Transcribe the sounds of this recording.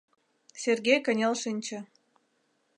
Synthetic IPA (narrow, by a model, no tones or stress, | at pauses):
sʲerɡʲejkə̆nʲelʃɨnʲt͡ɕə̆